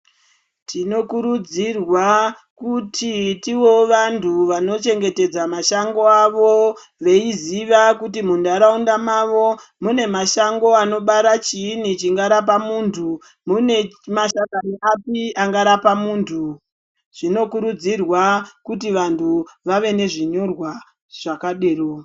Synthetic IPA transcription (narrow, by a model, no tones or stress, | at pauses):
tino̞kuɾud͡zirwa | kutʰitiwo̞ʋantʰuʋano̞t͡ʃe̞ŋɡe̞te̞d͡zamaʃaŋɡo̞aʋo̞ | ʋe̞iziʋakutimundaɾaundamaʋo̞mune̞maʃaŋɡo̞ano̞ɓaɾat͡ʃiːnit͡ʃiŋɡaɾap̬amuntʰu | mune̞maʃakaniʔapiʔaŋɡaɾapamuːntʰu | ʐ̥ino̞kuɾud͡zirwakutiʋantʰuʋaʋe̞ne̞ʐiɲo̞rwa | ʐ̥akaɗeːro